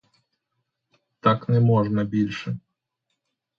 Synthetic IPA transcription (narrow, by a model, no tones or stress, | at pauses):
t̪aknɛmɔʐnɐbʲilʲʂɛ